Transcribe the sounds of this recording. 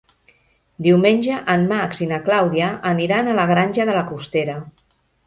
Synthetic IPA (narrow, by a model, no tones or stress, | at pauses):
d̪iwmenʲʒəʔəmːaksinaklawðiəʔːniɾanələɣɾanʲʒəðələkust̪eɾə